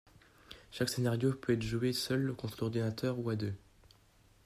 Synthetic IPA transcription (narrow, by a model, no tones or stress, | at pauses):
ʃaksenaʁjopøɛt̪χʒuesœlkɔ̃t̪χlɔʁd̪inat̪œʁuad̪ø